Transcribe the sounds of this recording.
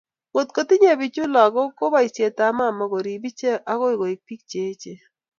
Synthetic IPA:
wo˨t̪ko˨tɪ˦ɲe˦˨bi˨t͡ʃʊ˦lɔ˨ɡɔ˦ko˦ba˦i˨sje˨ta˨˦ma˦˨ma˨ɡo˨ɾi˨bi˦t͡ʃe˦ʔa˦kɔ˦ɪ˦˨ko˨ɪ˨k̚pi˦k̚t͡ʃe˨˦t͡ʃe˨

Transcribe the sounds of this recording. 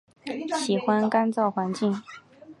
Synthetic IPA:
ɕi˨˩xwa˦nka˥nt͡sɑ˥˩ʊxwa˧˥nt͡ɕi˥˩ŋ

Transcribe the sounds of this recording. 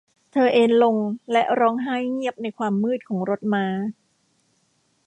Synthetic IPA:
t̪ʰɤː˧ʔeː˧nlo˧ŋlɛ˦˥ʔɾɔː˦˥ŋɦaː˥˩jŋi˥˩əp̚na˧jkʰwaː˧mːɯː˥˩t̪̚kʰɔː˩˦ŋɾo˦˥t̪̚maː˨˦˥

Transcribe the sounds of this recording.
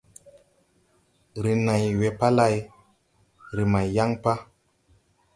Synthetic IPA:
ɾi˨na˨jwe˨pa˦la˦j | ɾi˨ma˨jja˦ŋpa˦

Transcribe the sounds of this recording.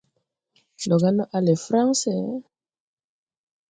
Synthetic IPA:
nɔ˨ɡa˦nɔ˦ʔa˦le˨fɾa˦ŋsɛ˦

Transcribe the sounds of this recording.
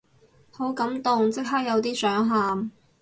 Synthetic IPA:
ho˨˥wkɐ˨˥mt̪ʊ˨ŋt͡sɪ˥k̚ɦaː˥k̚jɐ˨˧wt̪̬iː˥sœː˨˥ŋɦaː˨m

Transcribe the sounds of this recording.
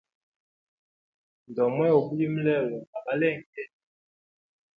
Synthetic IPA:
n˨dɔ˨mwɛ˦o˨bu˦li˦m̩˦lɛ˦˨wɔ˨a˨ba˨˦lɛ˦˨ŋ˨kɛ˦˨

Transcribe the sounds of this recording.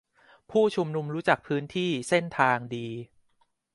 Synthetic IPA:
pʰuː˥˩t͡ɕʰu˧mnu˧mɾuː˦˥t͡ɕa˨˩k̚pʰɯː˦˥nt̪ʰiː˥˩se˥˩nt̪ʰaː˧ŋdiː˧

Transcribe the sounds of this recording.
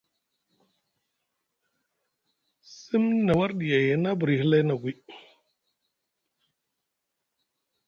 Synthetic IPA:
si˦mna˨wa˦ɾɗi˨ja˨ja˨na˦bu˨ɾi˨hi˦la˦na˨ɡʷi˦

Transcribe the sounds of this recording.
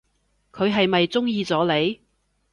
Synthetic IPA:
kʰɵ˨˧ɥɦɐ˨jmɐ˨jt͡sʊ˥ŋjiː˨˧t͡sɔː˨˥le˨˧j

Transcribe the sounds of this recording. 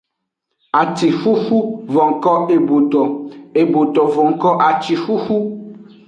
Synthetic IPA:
a˨ti˨fu˦fu˦vɔ̃˨ŋkɔ˦e˨bo˨t̪ɔ˨e˨bo˨t̪ɔ˨vɔ˨ŋkɔ˦ʔa˨t͡ʃi˨fu˦fu˦

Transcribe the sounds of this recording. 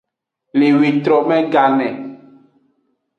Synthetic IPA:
le˨wi˨t̪ɾɔ˨mɛ̃˦ɡa˨nɛ̃˨

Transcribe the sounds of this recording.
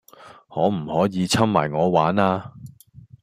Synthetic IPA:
ŋɔː˨˧˥m̩˨˩hɔː˨˥jiː˨˧t͡sʰɐ˥mma̰ː˨˩jŋɔː˨˧waː˨˥naː˥

